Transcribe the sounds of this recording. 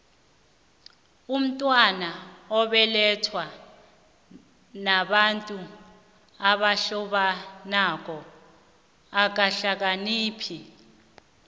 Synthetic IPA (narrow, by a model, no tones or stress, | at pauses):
um̩tʼwanaɔɓɛlɛtʰwa | naɓantʼu | aɓaɬɔɓanak̬ɔ | ak̬aɬak̬aniːpʰi